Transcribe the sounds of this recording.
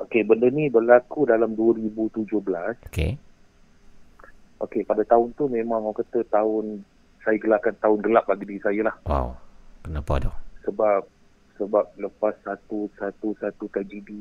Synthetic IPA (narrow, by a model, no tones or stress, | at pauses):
ʔokebəndənibəlakudalamduəɾibut̪ud͡ʒʊhbəlaso̥kḛ | ʔokepadat̪aʊnt̪umẽmãŋawkat̪ət̪aʊn | sajaɡəlaʔkant̪aʊnɡəlaʔ̚aɡidisajəlahwa̰wkənapa̰dɔhsəbap̚ | səbap̚ləpasːat̪usat̪usat̪ut̪ɾad͡ʒidi